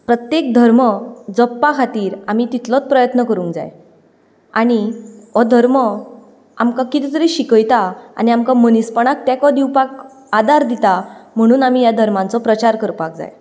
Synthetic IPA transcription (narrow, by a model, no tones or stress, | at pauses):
pɾət̪jekd̪ʱəɾməd͡zəpːakʰat̪iːɾamit̪it̪lɔt͡spɾəjət̪nəkəɾũŋkd͡za̰j | aɽ̃iɔd̪ʱəɾmə | amkakit̪it̪əɾiɕikəjt̪aa̰niamkamənispəɳ̃ak̚t̪jakɔd̪iwpak | ad̪aɾd̪it̪am̤əɽ̃uːnamijad̪ʱəɾmãnt͡sɔpɾət͡ɕaɾkəɾpak̚d͡za̰j